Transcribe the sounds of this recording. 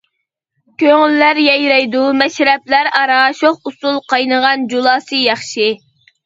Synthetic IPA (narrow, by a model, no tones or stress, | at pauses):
kʲʰøŋylːæɾjɛjɾɛjd̪umɛʃɾɛplæɾɑɾɑːʃoχusulˠqɑjnəʁɑnd͡ʒulˠɑːsɨjɑχʃi